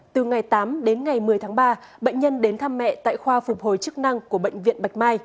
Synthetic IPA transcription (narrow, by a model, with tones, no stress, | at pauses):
t̪ɨ˨˩ŋa˨˩jt̪aː˨˦mɗe˨˦nŋa˨˩jmɨ˨˩əjt̪ʰaː˨˦ŋɓaː˧ | ɓə̰˧˨jŋ̟ɲə˧nɗe˨˦nt̪ʰaː˧mːɛ̰˧˨t̪a̰ː˧˨jxwaː˧fʊ˨˩k͡p̚ho˨˩jt͡ɕɨ˦˥k̚na˧ŋku˧˩əɓə̰˧˨jŋ̟vḭ˧˨ənɓa˨˩jk̟̚maː˧j